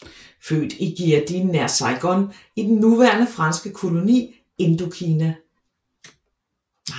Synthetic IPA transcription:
fø̰ːd̥iɡ̥iɐd̥inːæɐsɑ̈ɪɡ̥ɒn | id̥en̩ːuʋæːɐnəfʁɑ̈nsɡ̥əkʰo̝lo̝nḭː | e̝nd̥okʰiːnæ

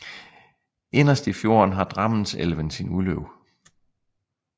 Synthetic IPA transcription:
e̝nɐsd̥ifjo̝ːɐ̰nɦɑ̈d̥ʁɑ̈mən̩sḛlʋənsinuløʊ̰

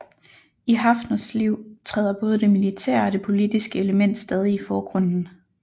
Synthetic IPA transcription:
iɦɑ̈fnɐsliʊ̰t͡sʰʁɛð̞̰ˠɐb̥ɔ̽ːðˠəd̥e̝milit͡sʰæɐ̰ɒ̽ɾ̥e̝pʰo̝lid̥isɡ̥əe̝ləmen̰d̥sd̥ɛːð̞ˠiːfɒːɡ̥ʁɔ̽n̰n̩

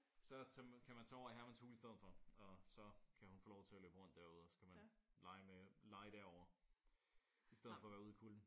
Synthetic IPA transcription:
sɒ̽t͡sʰækʰæmænt͡sʰɛɒ̰ɐiɦæɐmænshuːlisd̥eð̞̩ˠfɒ̽ɒ̽sɒ̽kʰæhunfo̝ːlɒʊt͡sʰe̝æløb̥əʁɔ̽n̰d̥æɐuð̰ˠɒsɒ̥̽kʰæmænlɑ̈ɪmelɑ̈ɪd̥æɐɒʊ̰ɐ | isd̥eðˠfɒ̽ʋæːɐuðˠkʰuln̩

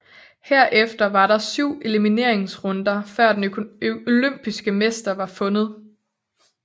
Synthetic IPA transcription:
heɐ̰ʔefd̥ɐʋɑ̈ɾɑ̈syʊ̰e̝limine̝ɐ̰e̝ŋsʁɔ̽nd̥ɐfɶɐ̰d̥enoløm̰b̥isɡ̥əmesd̥ɐʋɑ̈fɔ̽nð̞̩ˠ

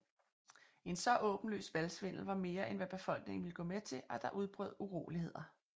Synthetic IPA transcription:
e̝nsɒ̽ʔɔ̽ːb̥n̩lø̰ːsʋælsʋen̰l̩ʋɑ̈me̝ːɐʔenʋæb̥e̝fɒ̽l̰ɡ̥ne̝ŋ̩ʋiləɡ̥ɔ̽ːmet͡sʰe̝ʔæd̥ɑ̈ʔuð̞ˠb̥ʁœ̰ːðˠuʁo̝̰ːlihe̝ð̞̰ˠɐ

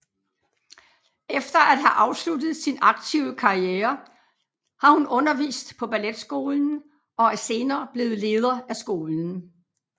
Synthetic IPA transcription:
efd̥ɐʔæd̥ɦæʔɑ̈ʊslud̥ð̩ˠsinɑ̈ɡ̥̚t͡sʰiʊ̰əkʰɑ̈ieːɐ | hɑ̈hunɔ̽nɐʋḭːsd̥pʰɒ̽b̥æled̥sɡ̥o̝ːln̩ | ɒ̽æɐse̝ːnɐːb̥le̝ːð̞̩ˠle̝ːð̞ˠɐæsɡ̥o̝ːln̩

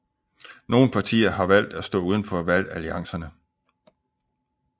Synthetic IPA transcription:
no̝ːn̩pʰɑ̈t͡sʰḭːɐɦɑ̈ʋæl̰d̥æsd̥ɔ̰̽ːuːð̞ˠənfɒʋæl̰æliɑ̈ŋ̰sɐnə

